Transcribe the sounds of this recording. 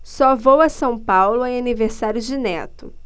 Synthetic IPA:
sɔvowɐsɐ̃w̃pawlʊẽaniveɾsaɾjʊzd͡ʒɪnɛt̪ʊ

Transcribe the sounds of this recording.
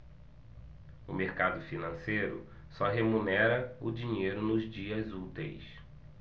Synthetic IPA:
ʊmeɾkad̪ʊfinɐ̃sejɾʊ̰ | sɔɦemunɛɾɐʊd͡ʒĩɲejɾʊnʊzd͡ʒiɐzut̪ḛjs

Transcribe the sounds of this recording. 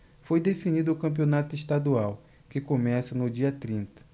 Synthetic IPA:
fojd̪efinid̪ʊʊkɐ̃mp̬ionat̪ʊɪʃt̪ad̪uaw | kɪkomɛsɐnʊd͡ʒiɐt̪ɾĩnt̪ɐ̥

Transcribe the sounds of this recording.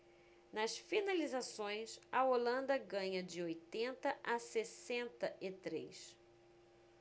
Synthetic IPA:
nɐsfinalizasõj̃sɐolɐ̃nd̪ɐɡɐ̃ɲɐd͡ʒɪojt̪ẽnt̪ɐʔasesẽnt̪ɐʔɪt̪ɾḛjs

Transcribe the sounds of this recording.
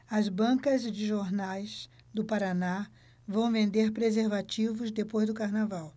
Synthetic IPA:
ɐzbɐ̃kɐzd͡ʒɪʒoɾnajs | d̪ʊpaɾana | vɐ̃w̃vẽnd̪eɾpɾezeɾvat͡ʃivʊzd̪epojzd̪ʊkaɾnavaw

